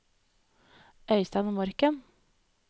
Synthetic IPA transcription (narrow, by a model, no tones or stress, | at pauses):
ʔœʏst̪ɑnoːmɔɾkən